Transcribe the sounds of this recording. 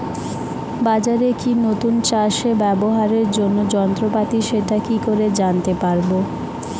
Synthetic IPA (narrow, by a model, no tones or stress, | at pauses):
bad͡ʑaɾekinot̪unt͡ɕaʃebɛboɦaɾeɾd͡ʑonːod͡ʑɔnt̪ɾopat̪iʃeʈakikoɾed͡ʑant̪epaɾbo